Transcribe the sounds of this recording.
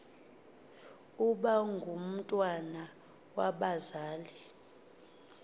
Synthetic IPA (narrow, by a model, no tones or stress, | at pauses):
uɓaŋɡʱum̩tʼwana | waɓazaːli